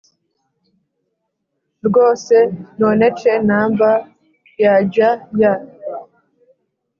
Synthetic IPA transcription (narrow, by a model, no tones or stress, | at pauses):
ɾɡoːsenonet͡ʃenaːmba | jaɟaja